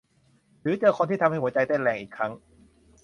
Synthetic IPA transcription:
ɾɯː˩˦t͡ɕɤː˧kʰo˧nt̪ʰiː˥˩a˧mha˥˩hu˩˦ət͡ɕa˧jt̪ɛ˥˩nlɛː˨˩ŋʔiː˨˩kʰːɾa˦˥ŋ

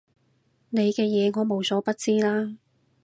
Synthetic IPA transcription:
ne˨˧jkɛː˧jɛː˨˧ŋɔː˨˧mo˨˩wsɔː˨˧˥pɐ˥t̚t͡siː˥laː˥

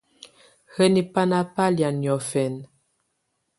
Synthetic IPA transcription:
hə˦ni˦pa˦na˦pa˦lja˨njɔ˨fɛ˨n

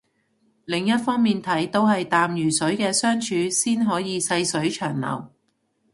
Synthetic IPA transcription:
lɪ˨˩ŋjɐ˥t̚fɔː˥ŋmiː˨nt̪ʰɐ˨˥jt̪o˥whɐ˨jt̪aː˨mjyː˨˩sɵ˨˥ɥkɛː˧sœː˥ŋt͡ʃʰyː˧siː˥nɦɔː˨˥jiː˨˧sɐ˧jsɵ˨˥ɥt͡ʃʰœː˨˩ŋlɐ̰˨˩w

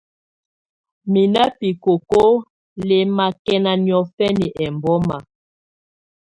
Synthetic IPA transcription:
mi˨na˦pi˨ko˨ko˦ | le˨ma˨kɛ˦na˨ni˨ɔ˨fɛ˦ni˨ʔɛ˨mbɔ˦ma˨

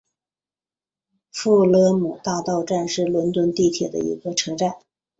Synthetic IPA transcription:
fu˥˩lɤ˥mu˨˩t̪a˥˧t̪ɑ˥˧ʊʈ͡ʂa˥˧nʂɻ̩˥˩lwə˧˥nt̪wə˥nt̪i˥˩t̪ʰjɛ˨˩d̪ə̰˦ḭ˧˥ɡə˧ʈ͡ʂʰɤ˧˥ʈ͡ʂa˥˩n

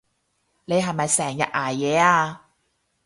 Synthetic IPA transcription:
ne˨˧jɦɐ˨jmɐ˨jsɛː˨˩ŋjɐ̰˨t̚ʔaː˨˩jːɛː˨˧aː˧

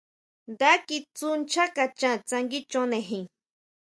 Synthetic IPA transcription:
d̪a˦ki˧t͡su˦nt͡ʃʰa˦ka˧t͡ʃã˦t͡sa˧ŋɡi˦t͡ʃo˦ne˧ɦĩ˨

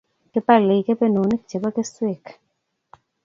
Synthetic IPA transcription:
ke˦pa˦le˨i˨ke˦pe˦no˨ni˦k̚t͡ʃe˨ba˦ke˦swe˨k

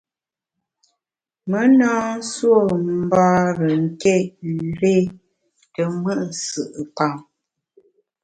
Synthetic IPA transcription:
mə˨˦nɔ̃ː˦n̩˦swo˦˨m̩˦baː˦ɾə˨ŋ̩˨kɛ˦˨i˨ɾe˦ | tə˨mə˦ʔsɨ˨ʔə˨pa˦˨ŋ

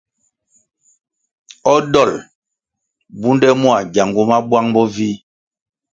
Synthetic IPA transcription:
ɔ˦dɔ˦˨l | bu˦ndɛ˦mu˦a˨ɟa˨ŋɡu˦ma˦bwa˦ŋbɔ˦vi˦

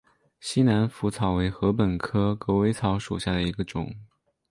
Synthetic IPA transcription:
ɕi˥na˧˥nfu˧˥t͡sʰɑ˨˩ʊwe˧˥ɪxɤ˧˥pə˨˩nkʰɤ˥kɤ˧˥we˧˥ɪt͡sʰɑ˧˥ʊʂṵ˨˩ɕja˥˩d̪ə˩i˧˥ɡə˧ʈ͡ʂʊ̰˨˩˦ŋ

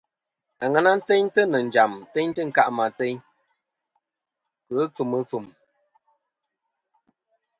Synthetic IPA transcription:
a˨ŋa˦na˦n̩˦te˦ɲtə˦nə˨n̩˨d͡ʒa˨m˨tɛ˦ɲtə˦ŋ̩˦ka˦ʔma˨te˦ɲ | kə˨˦p͡fɨ˨mɨ˨˦p͡fɨ˨m

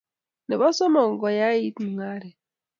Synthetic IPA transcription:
ne˨ba˦sɔ˦mɔ˨ŋ˨ɡɔ˨ja˦i˦tmu˨ŋa˦ɾɛ˨

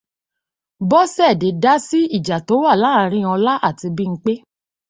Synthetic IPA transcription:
bɔ˦sɛ˦˨de˨˦da˦si˦i˦˨d͡ʒa˨to˨˦wa˦˨la˦˨˦ɾ̃ĩ˦˨ɔ˧la˦ʔa˦˨ti˧bi˦ŋ̩˦k͡pe˦

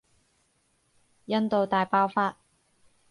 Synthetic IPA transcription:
jɐ˥nt̪o˨wt̪aː˨jpaː˥wfaː˧t̚

